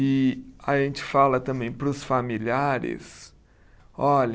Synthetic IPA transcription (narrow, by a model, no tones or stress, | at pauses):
ɪaʒẽnt͡ʃɪ̥falɐt̪ɐ̃mbẽj̃pɾʊsfamiliaɾɪ̰s | ɔʎɐ